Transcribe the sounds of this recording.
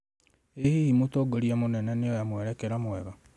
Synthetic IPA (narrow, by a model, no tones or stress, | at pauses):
ehiimotoɡoɾiamonɛnɛnejojamwɛɾɛkɛɾamwɛβa